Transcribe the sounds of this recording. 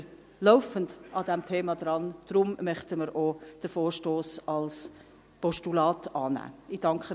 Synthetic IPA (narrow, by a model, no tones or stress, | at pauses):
lɔʊfəndɑdɛmtʰeːmɑd̪ɾɑnd̪̥ɾʊmmœχtəməɾʔod̥əfoːɾʃtoːsɑls | pɔʃtulɑːtɑːnæ̰ːid̥ɑŋkχə